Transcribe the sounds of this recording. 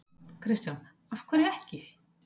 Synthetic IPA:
kʰɾɪst̪jan | afkʰvɛɾɛhcɪ

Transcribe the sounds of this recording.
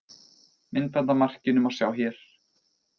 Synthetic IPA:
mɪnt̪ant̪amar̥cɪnʏmḁsjaːwhçjɛɾ̥

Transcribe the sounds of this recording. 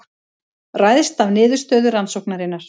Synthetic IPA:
rajðst̪avnɪːðʏɾ̥st̪œːðʏɾansowknaɾɪnːaɾ̥

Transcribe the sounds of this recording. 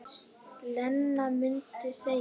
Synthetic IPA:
lɛnːamintisɛ

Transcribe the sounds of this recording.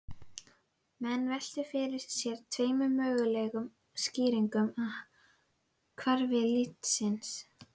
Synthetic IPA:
mɛnːvɛl̥t̪ʏfɪɾɪɾ̥sjɛɾ̥t̪ʰveːjmʏmœːɣʏlɛɣʏm | sciːɾiŋkʏma | kʰvaɾvɪlɪt̪sɪns

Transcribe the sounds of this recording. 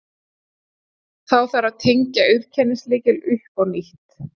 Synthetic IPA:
θawθaɾaðt̪ʰejɲcaʏɥɾ̥cʰɛnːɪslɪːcɪlʏhpawniht̪

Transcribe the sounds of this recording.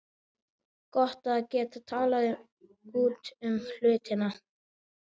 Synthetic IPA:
kɔht̪acɛːt̪at̪ʰaːla | uːt̪ʏml̥ʏːt̪ɪna

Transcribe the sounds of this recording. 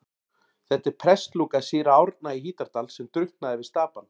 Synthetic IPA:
θɛht̪ɪɾ̥pʰɾɛst̪luːkasiːɾawɾt̪̚naiɦiːt̪aɾt̪alsɛmt̪ɾʏht̪naðɪvɪðst̪aːpan

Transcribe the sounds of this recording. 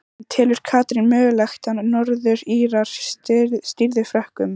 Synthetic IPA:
t̪ʰɛːlʏɾ̥kʰaːt̪ɾinmœːɣʏlɛxt̪annɔɾðʏɾiːɾaɾ̥tst̪iɾðɪfɾœhkʏm

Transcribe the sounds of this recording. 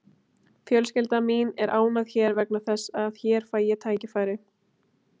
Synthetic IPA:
fjœlscɪlt̪aminɛɾʔaːwnaðçɛːɾvɛk̚naθɛsːaðçɛːɾ̥faːjɛt̪ʰaːjcɪfaːjɾɪ

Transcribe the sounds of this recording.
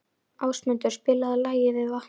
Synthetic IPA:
aːwsmʏnt̪ʏɾ̥spɪːlaðalaːjɪvɪðva

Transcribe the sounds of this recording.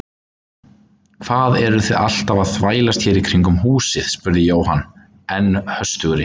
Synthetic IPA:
kʰvaːðɛɾʏθɛða̰l̥t̪avaðθvaːjlast̪çɛːɾikʰɾiŋkʏmɦuːsɪð̥spʏɾðɪjoːwɦanː | ɛnːhœst̪ʏɣʏɾɪ

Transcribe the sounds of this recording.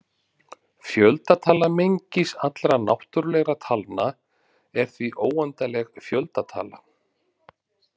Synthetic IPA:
fjœlt̪at̪ʰaːlamejɲcɪsat̪lɾana̰wht̪ʏɾlɛɣɾat̪ʰalna | ɛɾ̥θviʔoːwant̪alɛɣfjœlt̪at̪ʰa̰ːla

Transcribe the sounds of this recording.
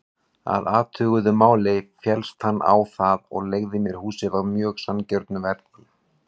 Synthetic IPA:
a̰ðaːt̪ʰʏːɣʏðʏmaːwlejfjɛlst̪hanːʔa̰wθaðɔ̰ɣleːɣðɪmjɛɾ̥huːsɪðavmjœːxsancœɾt̪nʏvɛɾt̪ɪ

